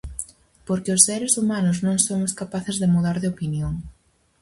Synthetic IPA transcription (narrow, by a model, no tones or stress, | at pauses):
poɾkɪosːeɾɪsumanʊznõŋsomʊskapaθezðemuðaɾðɪopinjoŋ